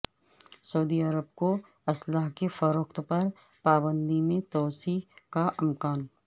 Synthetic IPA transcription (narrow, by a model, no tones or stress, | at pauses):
sɐud̪iəɾəbko | ɐslaːɦkefɐɾoːkt̪pɐɾ | paːbə̃nd̪imẽt̪ɔːsikaʔɪmkaːn